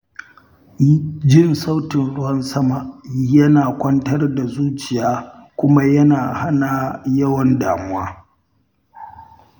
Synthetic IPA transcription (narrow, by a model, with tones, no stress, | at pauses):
d͡ʒɪ˦nsa˦wtɪ˨nɽʊ˦wɐ˦nsɐ˦ma˨ʔjɐ˦naː˨kʷɐ˦ntɐ˦rda˨zuː˦t͡ʃɪ˨jaː˦kʷʊ˦ma˦jɐ˦naː˨ha˦na˨jɐ˦wɐ˦nda̰ː˨mʊ˦waː˦